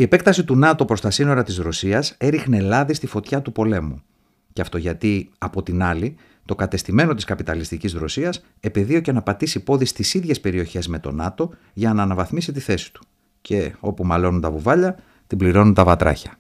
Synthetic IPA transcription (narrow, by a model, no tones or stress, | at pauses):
ie̞pe̞kt̪ɐsit̪unɐt̪o̞pɾo̞st̪ɐsino̞ɾɐt̪izɾo̞siɐse̞ɾixne̞lɐðist̪ifo̞t̪çɐt̪upo̞le̞mu | ceɐft̪o̞ʝɐt̪iɐpo̞t̪inɐli | t̪o̞kɐt̪e̞st̪ime̞no̞t̪iskɐpit̪ɐlist̪icizɾo̞siɐs | e̞peðio̞cenɐpɐt̪isipo̞ðist̪isiðʝe̞spe̞ɾio̞çe̞zme̞t̪o̞̰nɐt̪o̞ | ʝɐnɐːnɐvɐθmisit̪iθe̞si̥t̪u̥ | cʰe̞o̞pumɐlo̞nunt̪ɐvuvɐʎɐ | t̪ibliɾo̞nunt̪ɐvɐt̪ɾɐ̰çɐ